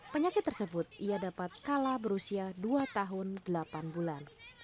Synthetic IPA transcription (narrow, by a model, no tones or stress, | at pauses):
pəɲakɪt̪ːərsəbʊt̪̚ʔiadapat̪̚kalabəɾusiaduat̪aɦʊndəlapanbulan